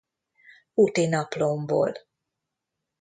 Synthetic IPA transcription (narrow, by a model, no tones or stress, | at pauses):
uʔt̪enaplombo̰l